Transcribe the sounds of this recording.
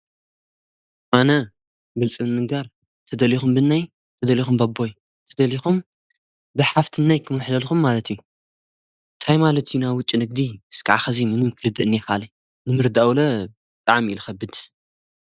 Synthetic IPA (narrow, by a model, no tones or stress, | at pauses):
ʔanɐ | ɡɨlt͡sʼɨmɨmɨŋɡaɾ | t̪ʰɐd̪ɐlixumbɨnːaj | t̪ʰɐd̪ɐlixumbabːo̞j | t̪ʰɐd̪ɐlixum | bɨħaft̪ʰɨnːajkʰɨmɨħzɐlxumːalɐt̪ʰiju | ʔɨnt̪ʰajmalɐt̪ʰijunaβwʊt͡ʃʼːinɨɡ̚d̪iɨskʰaʕaxɐzimɨnɨkʰɨɾɨd̪ɨʔɨnːexali | nɨmɨɾd̪awlɐbɨt̪ʼaʕmilxɐbːɨd̪